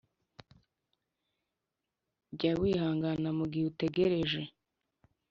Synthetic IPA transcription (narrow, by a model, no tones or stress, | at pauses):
ɟawiːhaːŋɡanamuɡiute̞ɡe̞ɾe̞ʒe̞